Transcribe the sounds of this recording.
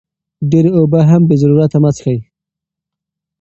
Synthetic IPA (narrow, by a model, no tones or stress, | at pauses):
ɖeɾeobaɦambəzaɾuɾat̪amat͡sxaj